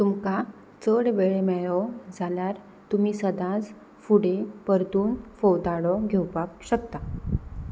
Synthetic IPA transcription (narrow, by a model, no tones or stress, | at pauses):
t̪umka | t͡səɽʋeɭemɛɭɔd͡zʱaljaɾ | t̪umiːsəd̪ãd͡z | fuɽepəɾd̪uːnfɔwd̪aɽɔɡʱewpap̚ɕək̚t̪a